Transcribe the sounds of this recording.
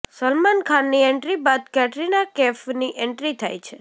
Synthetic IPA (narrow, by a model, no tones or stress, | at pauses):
səlmankʰanːiɛɳʈɾibad̪̚kɛʈɾinakɛfniʔɛɳʈɾit̪ʰa̰jt͡ʃʰe